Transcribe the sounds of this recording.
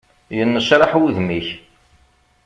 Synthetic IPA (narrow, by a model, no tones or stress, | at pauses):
jənːəʃɾˤɑħwuðmiç